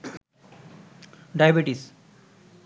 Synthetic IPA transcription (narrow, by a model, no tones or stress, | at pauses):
ɖajbiʈis